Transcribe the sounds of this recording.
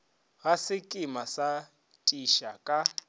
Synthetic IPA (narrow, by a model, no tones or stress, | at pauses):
ɣasɪkʼɪmasa | tʼiʃakʼa